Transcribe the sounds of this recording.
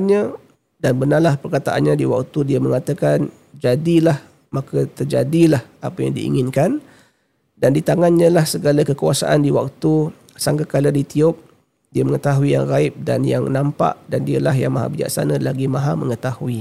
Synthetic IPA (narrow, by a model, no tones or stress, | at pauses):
nɲə | danbənarlahpərkat̪aʔanɲadiwak̚t̪udiəməŋat̪əkan | d͡ʒadilah | makət̪ərd͡ʒadilahapəja̰ŋdḭḭŋɪnkan | dandit̪aŋanɲə̃lahsəɡalakəkuasa̰ʔandiwak̚t̪u | saŋɡakalədit̪iʊp̚ | diəməŋət̪aɦuija̰ŋraɪp̚da̰nja̰ŋnampa̰ʔdandiəlaɦja̰ŋmaɦa̰bid͡ʒa̰k̚sa̰nəlaɡimaɦaməŋət̪ahui